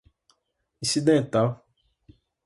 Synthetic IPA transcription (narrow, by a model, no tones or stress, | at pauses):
ĩsid̪ẽt̪aw